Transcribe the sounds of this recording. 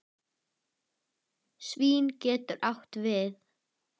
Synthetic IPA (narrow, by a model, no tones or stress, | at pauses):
sviːncɛːt̪ʏɾʔawht̪vɪð